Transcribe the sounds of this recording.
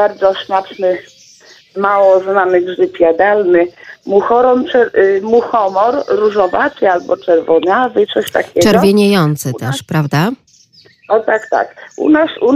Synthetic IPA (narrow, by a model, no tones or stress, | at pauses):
b̥aɾd̪zɔsmat͡ʂnɘ | mawɔznamɘɡʐɘpʲjad̪alnɘmuxɔɾɔmt͡ʂɛɾmuxɔmɔɾːuʐɔvatɘalbɔt͡ʂɛɾvɔɲavɘt̪sɔɕt̪akʲɛt͡ʂɛɾɡɔvʲjeɲejɔnt̪sɛt̪ɛʂpɾavd̪a | ɔt̪akt̪a̰kṵnasu